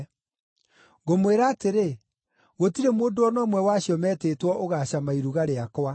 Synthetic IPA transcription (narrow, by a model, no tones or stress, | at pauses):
ɣomweɾaːteɾe | ɣotiɾemoːndoɔnɔːmwɛwaɕiɔmɛːteːtwɔʔoɣaːɕamaiɾuɣaɾeakwa